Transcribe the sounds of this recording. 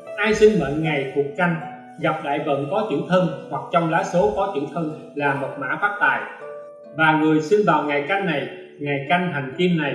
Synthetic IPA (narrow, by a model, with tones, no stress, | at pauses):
ʔaː˧jsï˧ŋmə̰˧˨nŋa˨˩jk̪ʰu˨˩ət̚ka˧jŋ̟ | ɣa˨˩p̚ɗa̰ː˧˨jvə̰˧˨nkɔ˨˦t͡ɕḭ˧˩əwt̪ʰə˧nhwa˨˩k̚t͡ɕɔ˧wŋ͡mlaː˨˦so˨˦kɔ˨˦t͡ɕḭ˧˩əwt̪ʰə˧n | laː˨˩mo˨˩t̚ma̰ː˧˥faː˦˥k̚t̪aː˨˩j | vaː˨˩ŋɨ˨˩əjsi˧nvaː˨˩wŋa˨˩jka˧jŋ̟ːa˨˩j | ŋa˨˩jka˧jŋɦa˨˩jŋ̟ki˧ənna˨˩j